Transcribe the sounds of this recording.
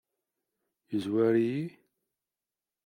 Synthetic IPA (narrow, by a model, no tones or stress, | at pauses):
jəzwæɾiji